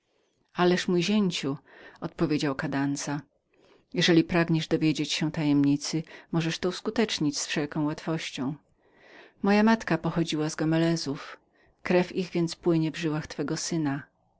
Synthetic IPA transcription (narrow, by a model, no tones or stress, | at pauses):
alɛʂmujʑeɲt͡ɕuɔt̪̚pɔvʲjed͡ʑawkad̪ant̪sa | jɛʐɛlʲipɾaɡɲɛʐd̪ɔvʲjed͡ʑet͡ɕɕɛ̃t̪ajɛmɲit̪sɘmɔʐɛʂt̪ɔuskut̪ɛt͡ʂɲit͡ɕsfʂɛlkɔ̃w̃wat̪fɔɕt͡ɕɔ̃w̃ | mɔjamat̪kapɔxɔd͡ʑiwazɡɔmɛlɛzuf | kɾɛfiɣvʲjɛnt̪spwɘɲɛvʐɘwaxt̪fɛɡɔsɘna